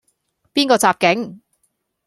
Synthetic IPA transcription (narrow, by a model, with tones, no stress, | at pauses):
piː˥nkɔː˧t͡saː˨˧p̚kɪ˨˥ŋ